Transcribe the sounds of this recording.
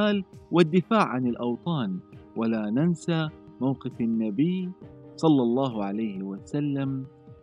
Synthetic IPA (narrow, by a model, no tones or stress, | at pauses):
aːlwad̪ːɪfaːʕʕanɪlʔɑwt̪ˤɑːnwʔalaːnansamawqɪfanːabɪjːsˤɑlːɑlˤːɑːɦʕalajhɪwasalːam